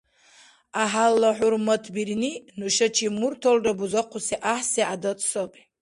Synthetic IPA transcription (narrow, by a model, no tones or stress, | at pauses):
aɦalːaħʊrmatʰbirninuʃat͡ʃʰimurtʰolrabuzaqʰʷʊsiʔaħsiʔadat͡sʼʰsopʼi